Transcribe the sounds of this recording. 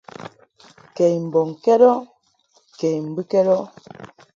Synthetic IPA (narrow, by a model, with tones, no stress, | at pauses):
kɛ˨jm̩˨bɔ˨ŋkɛ˦ɾɔ˦ | ke˨jm̩˨bi˦kɛ˦ɾɔ˦